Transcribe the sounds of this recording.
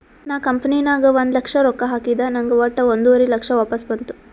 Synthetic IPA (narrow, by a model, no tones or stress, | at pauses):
naːkɐmpɐninaːɡɐʋond̪lɐkʂɐɾɔkːɐɦaːkid̪ɐnɐŋɡɐʋɐʈːɐond̪uʋɐɾilɐkʂɐʋaːpɐsbɐnt̪u̥